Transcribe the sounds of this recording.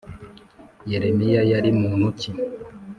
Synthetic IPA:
jeɾemijajaɾimuːnuci

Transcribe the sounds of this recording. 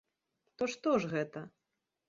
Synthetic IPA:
t̪ɔʂt̪ɔʐɣɛt̪ɐ

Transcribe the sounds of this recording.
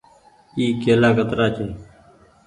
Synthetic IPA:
iːkeːlaːkət̪ɾaːt͡ʃʰeː

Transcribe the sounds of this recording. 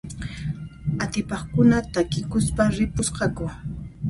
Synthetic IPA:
at̪ɪpɑχkʊnat̪akɪkʊspaɾɪpʊsqɑkʊ

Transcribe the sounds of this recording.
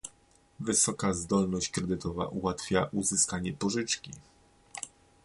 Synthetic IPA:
vɘsɔkazd̪ɔlnɔɕt͡ɕkɾɛd̪ɘt̪ɔva̰ʔuwat̪fʲjaʔuzɘskaɲɛpɔʐɘt͡ʂkʲi

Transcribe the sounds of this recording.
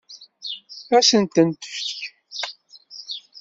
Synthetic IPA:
æsənt̪ənt̪ə̥fç̥ç

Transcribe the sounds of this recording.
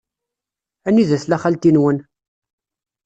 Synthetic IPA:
ænːiðæθlæχælt̪inwən

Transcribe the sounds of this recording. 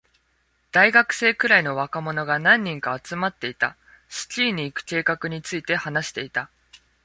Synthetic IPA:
d̪̥aiɡakɯ̟̥se̞ːkɯ̟ɾaino̞βakamo̞no̞ɡanãɲ̟ːĩŋkaːt͡sɨmat̪ːe̞it̪a̰ | ɕi̥t͡ɕiːɲ̟iːkɯ̟̥ke̞ːkakɯ̟ɲ̟it͡sɨit̪e̞hanaɕi̥t̪e̞it̪a

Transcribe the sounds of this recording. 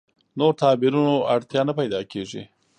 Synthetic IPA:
noɾt̪ɑbɪɾunoaɽt̪jɑnapajd̪ɑkeʐḭ

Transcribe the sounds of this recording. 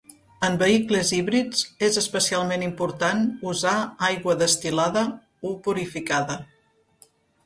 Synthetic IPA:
əmbəikləziβɾid͡zezəspəsialˠmenimpuɾt̪anuzaajɣwəðəst̪ilaðə | upuɾifikaðə

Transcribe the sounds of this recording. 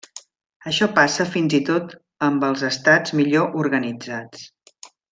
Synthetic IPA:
əʃɔpasəfinzit̪ot̪ | əmbəlˠzəst̪ad͡zmiʎoʔuɾɣənid͡zat͡s

